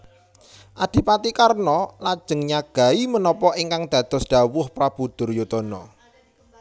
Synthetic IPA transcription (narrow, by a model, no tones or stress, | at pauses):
ʔad̪̥i̤pat̪ikarnɔlad̥ʒ̥ə̤ŋɲaɡ̥a̤imənɔpɔiŋkaŋd̪̥ä̤d̪̥ɔ̤sɖ̥a̤wʊhpɾab̥ud̪̥ʊ̤rjot̪ɔnɔ